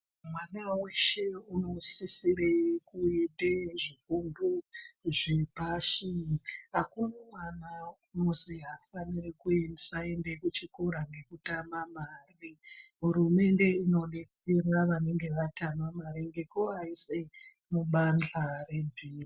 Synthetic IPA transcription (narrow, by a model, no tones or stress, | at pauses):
mwanaweʃe̞uno̞sisirekuedeʐifunduʐepaʃiɦakunomwanaunoziɦafanirekuensaendekut͡ʃikoɾaŋɡe̞kutamamaːriɦuɾume̞nde̞ino̞ne̞t͡serwaʋane̞ŋɡe̞ʋatamamaɾiŋɡe̞koɦaise | muɓand͡ɮare̞mbʱiːri